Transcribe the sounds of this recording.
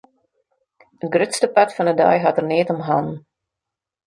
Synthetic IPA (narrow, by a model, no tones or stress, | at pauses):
ət̚ɡrʏtstəpatfɑnədœ̰jɦɑtərneːtɔmɦɑn̩